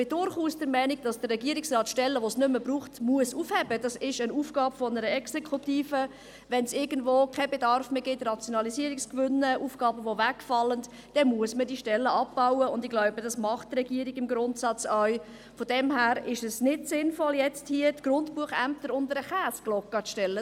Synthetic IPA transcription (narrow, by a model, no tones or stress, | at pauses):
b̥ɪdʊɾχuːsd̥əɾmɛɪniɡ̚d̥ɑsd̥ərːɛɡiəɾiksrɑːtʃtɛlːəʋosnʏməbruːχtmuəsuːfhɛbəd̥ɑsɪʃənuːfɡ̥ɑːbfɔnəɾəɛksekʰutiːfə | ʋɛnsɪɡ̥ən̩dvoːkʰɛbedɑɾfmeːɡɪtrɑt͡sjonɑlisiəɾikskvʏnəʔuːfɡ̥ɑːbəʋovækfɑlːənt | d̥ɛnmuəsmədiʃtɛlːəʔɑpbaʊwəʊndɪɡlaʊbədɑsmɑχtːrɛɡiːɾiɡɪmɡɾʊntsɑt͡sœɥ | fodɛmhæːɾɪʃɛsnɪtsɪnfɔljɛt͡sthiətɡ̥rʊntpuəχæmp̚təɾʊndəɾəχæːsɡ̥lɔkːət͡sʃtɛlːə